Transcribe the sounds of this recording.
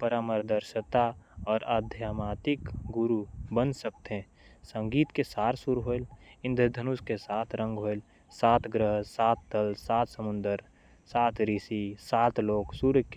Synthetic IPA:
pəɾaːməɾd̪əɾʃət̪aɔːɾaːd̪ʱjaːmaːt̪ɪkɡʊɾubənsək̚t̪ɦe | sə̃ŋɡiːt̪kesaːɾsuɾɦoelɪ̃nd̪ʱəd̪ʱənuskesaːt̪ʰɾə̃ŋɡɦoːel | saːt̪ʰɡɾəɦsaːt̪ːəlsaːt̪ʰsəmʊ̃nd̪əɾ | saːt̪ɾisisaːt̪ʰloːksuɾk

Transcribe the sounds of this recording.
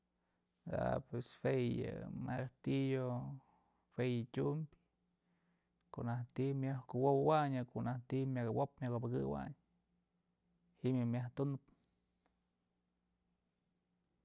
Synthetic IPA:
d̪a̰pwesfejɨ̰makt̪ijo | fejɨtʲumbʲ | koʔnaht̪imjahkɨwowwaɲɨkoʔnaht̪imʲakawopmʲakopakɨ̰wa̰ɲ | hiʔmjɨmʲjaht̪unɨp

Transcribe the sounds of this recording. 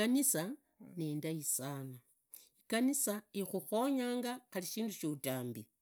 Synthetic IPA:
anisa | neːndaisaːna | ikanisaixuxo̞ɲaːŋɡaxaliʃiːnduʃutaːmbi

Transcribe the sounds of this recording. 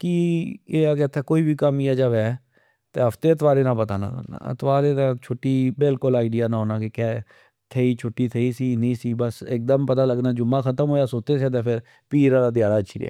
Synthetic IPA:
kieːaket̪ʰːɛːkoːiːbiːkəmiːaːd͡ʒəʋɛː | t̪eːɦəpʰt̪eːət̪ʋaːɾeːnãːpət̪a̰ːna̰na̰ːə̰t̪ʋaːɾeːnaːt͡ʃʰʊʈːiːbɪlkʊlaːɪɖɪjaːnãːɦoːnaːkɪkɛː | t̪ʰeːiːt͡ʃʰʊʈːiːt̪ʰeːiːsiːnəĩːsiːbəsɪk̚d̪əmpət̪aːləɡnaːd͡ʒʊmːãːkʰət̪əmɦoːjaːsoːt̪eːseːt̪̬eːpʰɪɾ | piːɾãːɾaːd̪ɪjaːɽaːət͡ʃʃʰiːɾ̰ɛ̰ː

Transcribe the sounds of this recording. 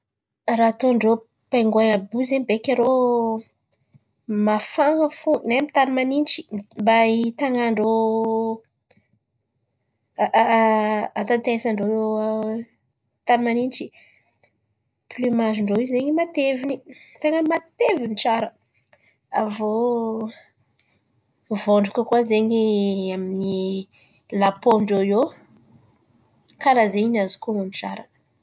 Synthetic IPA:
rat̪oɳɖ͡ʐo | pajŋɡwajabuzeɲbekʲaɾo | mafaŋəfunemt̪animanint͡ʃi̥mbait̪aŋaɳɖ͡ʐo | ant̪ant̪eesaɳɖ͡ʐo | t̪animanint͡ʃi̥ | plymaziɳɖ͡ʐoizzeɲimat̪evinit̪eŋəmat̪evint͡ʃaɾə | avo | voɳɖ͡ʐukəkuwazeɲiamini | lapoɳɖ͡ʐojo | kaɾazeɲinazi̥kumanit͡ʃa̰ɾə̥

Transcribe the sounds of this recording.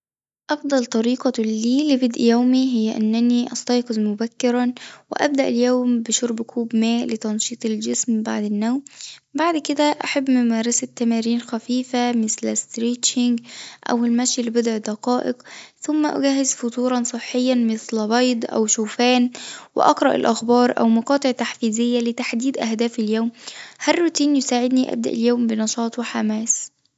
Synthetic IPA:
ʔɑfd̪ˤɑlt̪ˤɑɾiːqɑliːlɪbɪd̪ʔjæwmiɦɪjːæʔænːæniʔɑst̪ˤɑjqɨzmʊbækːɪɾɑwɪ̰ʔæ̰b̚d̪æʔɪljoːmbɪʃoɾˤbkʰuːbmæːʔlɪt̪ɑnʃiːt̪ˤeld͡ʒɪsmba̰ʕd̪ɪnːæwmbaʕd̪kɪd̪æʔaħabːmʊmæːɾˤɑsɪt̪ːæmæːɾiːnxæfiːfamɪslst̪ɾiːʃɪŋɡʔæ̰welmæʃjlɪbed̪ʕd̪ɑqɑːʔɪqθʊmːæʔʊ̰ɡæɦːɪzfot̪ˤuːɾˤɑnsˤɨħːɪjːɑnmɪθlbɑjd̪ˤʔæ̰wʃuːfæːnwɪ̰ʔɑqɾˤɑʔɪ̰lʔɑxbɑːɾˤʔæ̰wmɑqɑːt̪ˤeʕt̪aħfiːzɪjːælɪt̪aħd̪iːd̪ʔæhd̪æːfɪljoːmhærːut̪iːnjosaːʕɪd̪niʔæ̰b̚d̪æ̰ʔɪljoːmbɪnɑʃɑːt̪ˤwɪħamæːs

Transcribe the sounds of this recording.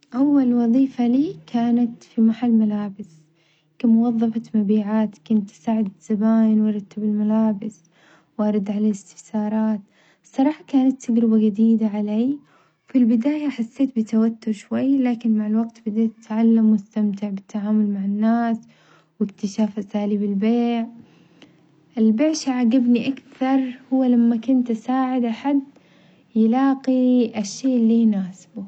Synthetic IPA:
ʔawːalwɑðˤiːfaliːkʰaːnat̪fimaħalmalaːbɪs | kamʊwɑðˤːɑfamabiːʕaːt̪kʊnt̪ːsaːʕɪd̪z̥abaːjɪnwʔɑɾˤɑt̪ːabɪlmalaːbɪs | wʔɑɾˤɑd̪ʕalaːlɪst̪ɪ̥fsɑːɾˤɑːt̪ | sˤːɑɾˤɑːħɑkaːnat̪ʰːaɡɾɪbaɡad̪iːd̪aʕaleː | wfilbɪd̪aːjaħasːeːt̪̚bɪt̪awat̪ːʊɾˤʃwajːlaːkɪnmaʕalwaɡt̪bɪd̪eːt̪t̪ʕalːamwʊst̪amt̪ɪʕbɪt̪ʰːaʕaːmʊlmaʕanːaːs | wɪkt̪ɪʃaːfʔasaːliːbɪlbeːʕ | ʔɪlbeːʕʃaʕaɡabniʔakθt̪ɑɾˤhʊwːalamːakʊnt̪ʔasaːʕɪd̪ʔaħad̪ | jɪlɑːqiʔaʃːeːʔlːiːjnaːsbʊ

